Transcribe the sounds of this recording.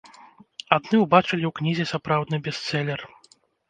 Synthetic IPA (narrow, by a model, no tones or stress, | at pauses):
ad̪nɨwbat͡ʂɨlʲiwknʲizʲɛsapɾawd̪nɨbʲɛst̪sɛlʲɛr